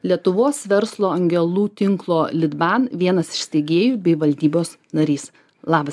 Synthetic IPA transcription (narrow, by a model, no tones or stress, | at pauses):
lʲiɛt̪ʊʋoːsʋʲɛɾslˠoːɐŋʲɡʲɛlˠuːt̪ʲɪŋklˠoːlʲɪd̪bɑːnʋʲiɛnɐsɪ̥ʃsʲt̪ʲɛɡʲeːjuːbʲɛɪʋɐlʲd̪ʲiːboːs | nɐɾʲiːs | lˠɑːbɐs